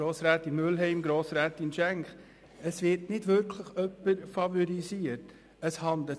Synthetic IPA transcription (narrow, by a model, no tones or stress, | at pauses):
oːsɾæːt̪inmʏlɦɛɪmɡɾoːsɾæːt̪inʃæŋχ | əsʋɪɾtnɪdʋʏɾkʰləχœpːəɾfɑvɔɾisiəɾt | əshɑnd̪lə